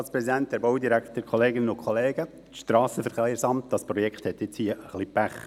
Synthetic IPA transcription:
ɑlspɾɛsidænt̚d̥æɾbowdiɾæktəɾkʰoleːɡɪnənʊkχoleːɡə | ʃtɾɑːsəfəɾχejɾsɑmt̚d̥ɑspɾɔjɛkχthɛtjɪt͡shiəəχlipæχ

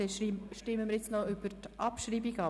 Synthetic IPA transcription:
ɛʃɾiʃtɪmːəmɪɾjɪt͡snɔʏb̥əɾtʔɑpʃɾiːbiɡɑ

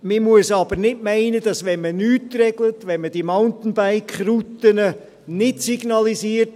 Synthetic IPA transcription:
mɪmuəsɑb̥əɾnɪdmæɪnədɑsʋɛnmənyːtrɛɡlətʋɛnməd̥imaʊntn̩baɪkχɾutənə | nɪtsiɡnɑlisiːəɾt

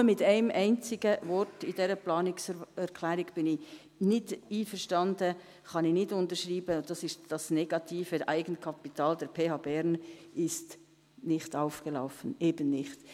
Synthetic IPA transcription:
əmɪtaɪmʔæɪnt͡sɪɡəvɔɾtɪd̥ɛːɾəplɑːnɪksɛɾkʰlɛːɾɪɡb̥ɪnɪ | nɪtiːfəɾʃtɑndə | xɑnɪnɪtʊntəʃʁiːbəd̥ɑsɪʃtd̥ɑsnɛɡ̥ɑtʰiːfəʔaɪɡənkʰɑpitʰɑːldɛɾpʰeːhɑːbɛɾnʔɪst | nɪχtaʊfɡ̥əlaʊfənʔeːbənːɪχt

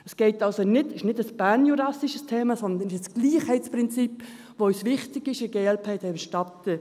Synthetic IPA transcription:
əsɡ̥ɛɪtɑlsonɪdɪʃnɪdəsb̥ænjuɾɑsiʃəstʰeːmɑsɔnd̪ənɪʃəsɡ̥liːχhɛɪtspɾɪnt͡sip | ʋoœsʋɪχtɪɡɪʃɪɡ̥elpʰɛɪtɛəʃtɑt̪ə

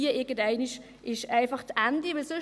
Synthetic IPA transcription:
iəʔɪɡən̩dæɪniʃ | ʔɪʃæɪnfɑχtʔænd̥iʋɪlsø

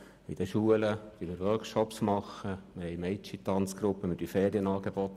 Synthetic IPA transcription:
id̥̪əʃuələʋimɪɾʋœɾkʃɔpsmɑχːəmɪɾhɛɪmɛɪt͡ʃit̪ɑnt͡sɡ̥ɾʊpːəmɪɾd̥yfɛːɾiənɑːɡeb̥ɔt̪

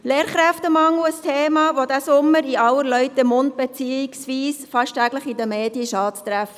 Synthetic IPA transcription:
leːɾχɾæftəmɑŋuəstʰeːmɑːʋod̪æsʊmːəɾiɑwəɾlœʏtəmʊnd̪̚b̥ɛt͡siːɪksʋiːsfɑʃtʰæɡləχidəmeːd̥jəʃɑːtst̪ɾæfə

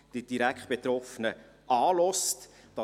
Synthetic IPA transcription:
d̥id̥iɾækʰt̚b̥et̪ɾɔfənə | ʔɑːlɔst | d̥ɑ

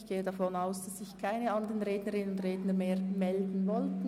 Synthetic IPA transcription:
çɡ̥eːədafɔnaʊsd̥asːɪçkʰaɪnəandəʁənʁeːdnəʁɪnənʊndʁeːdnəmeːʁmɛldn̩vɔltn̩

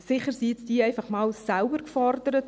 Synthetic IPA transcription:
sɪχəɾsiɪt͡sd̥iːɛɪfɑχmɑːlsælbəɾkfɔrdəɾət

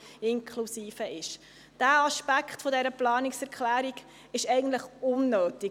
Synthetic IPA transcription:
ɪŋkʰlusiːfəʔɪʃ | d̥æːɑʃpækχtfodɛɾəplɑːniksɛɾkχlæːɾiɡ | ɪʃɛɪɡən̩tləχʊnːøːti

